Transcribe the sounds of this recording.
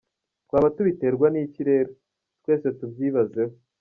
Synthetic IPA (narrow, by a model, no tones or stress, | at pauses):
t̚kwaːβatuβite̞ːɾɡwaniːciɾe̞ːɾo | twe̞ːse̞tubjiːβaze̞ho